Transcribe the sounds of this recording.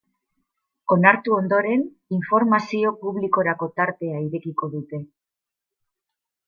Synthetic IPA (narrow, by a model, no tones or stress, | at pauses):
o̞naɾt̪uo̞nd̪o̞ɾe̞n | iɱfo̞ɾmasio̞puβliko̞ɾako̞t̪aɾt̪e̞aiɾe̞kiko̞ðut̪e̞